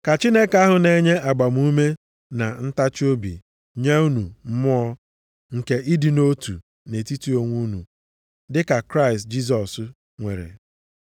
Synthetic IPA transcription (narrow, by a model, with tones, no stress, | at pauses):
ka˨t͡ʃi˦ne˦ka˦ɦʊ˨ne˦ɲe˦a˨ɡ͡ba˨m˦u˦me˦ | na˨n̩˦ta˦t͡ʃo˦bḭ˨ | ɲe˦u˦nu˨m̩˦mʊ˦ɔ˦ | ŋ̩˨ke˨ʔi˦di˨no˦tṵ˨ | ne˨ti˦ti˦o˦ŋʷu˦nṵ˨ | dɪ˦ka˨kɾa˦ɪ˨st̚d͡ʒi˦s̬ɔ˨s | ŋʷe˨ɾḛ˨